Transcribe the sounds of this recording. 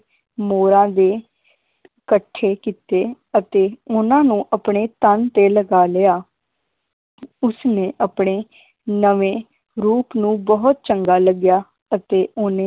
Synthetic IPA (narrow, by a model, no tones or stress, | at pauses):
moːɾãːd̪eː | kəʈʰːeːkiːt̪eː | ət̪eːʊnãːnũːʔəpɳeːt̪ənt̪eːləɡaːlɪjaː | ʊsnẽːʔəpɳ̃eː | nəʋẽː | ɾuːpnũːbəɦʊt̪̚t͡ʃəŋɡaːləɡjaː | ət̪eːʔʊnẽː